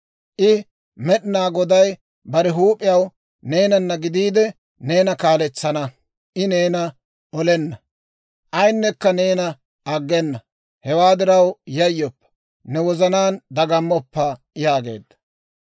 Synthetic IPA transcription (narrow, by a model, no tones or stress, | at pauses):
ʔɪ | mɛɗɪnaːɡɔd̪ɐj | bɐɾɛɦuːpʼɪjɐw | ne̞ːnɐnːɐɡɪd̪iːd̪ɛ | ne̞ːnɐkaːlɛt͡sːɐnɐ | ʔɪne̞ːnɐ | ʔɔlɛnːɐ | ʔɐjnːɛkːɐne̞ːnɐ | ɐɡːɛnːɐ | hɛwaːd̪ɪɾɐwjɐjːɔpːɐ̥ | nɛwɔzɐnaːnd̪ɐɡɐmːɔpːɐ | jaːɡe̞̰ːd̪ːɐ̥